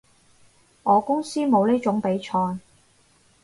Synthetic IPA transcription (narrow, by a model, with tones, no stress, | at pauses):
ŋɔː˨˧kʊ˥ŋsiː˥mo˨˧wni˥t͡sʊ˨˥ŋpe˨˥jt͡ʃʰɔː˧j